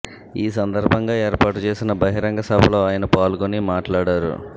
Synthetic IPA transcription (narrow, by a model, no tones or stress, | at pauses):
iːs̬ɐnd̪ɐɾbʱɐŋɡaːeːɾpaːʈut͡ʃe̞ːsinɐbɐɦiɾɐŋɡɐsɐbʱɐlo̞ːaːjɐnɐpaːlukonimaːʈlaːɽaːɾṵ